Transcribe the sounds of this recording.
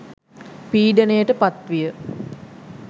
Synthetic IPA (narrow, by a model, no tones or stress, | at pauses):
piːɖənəjəʈəpat̪ʋijə